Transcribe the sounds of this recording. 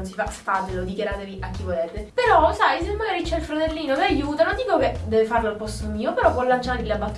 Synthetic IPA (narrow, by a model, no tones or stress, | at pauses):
nsifasfaːt̪elod̪ikjaɾaːt̪eviʔak̟ːivoleːt̪epeɾɔsajs̬emːaɡaːɾit͡ʃɛilfɾat̪elːiːnomeajuːt̪anod̪iːkoked̪ɛːvefarloalpɔst̪omiːopeɾɔvwɔlːant͡ʃaɾleabːat̪ː